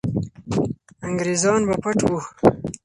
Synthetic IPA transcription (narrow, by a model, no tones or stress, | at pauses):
aŋɡɾezɑːnbapaʈwu